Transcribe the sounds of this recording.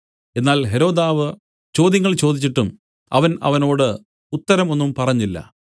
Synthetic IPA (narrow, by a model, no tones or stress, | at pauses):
e̞nːaːlɦe̞ɾo̞ːd̪aːʋɨ | t͡ɕo̞ːd̪jɐŋːɐɭt͡ɕo̞ːd̪it͡ɕːiʈːum | ɐ̰ʋɐnɐ̰ʋɐno̞ːɽɨ | ut̪ːɐɾɐmo̞nːumpɐrɐɲːilːɐ̰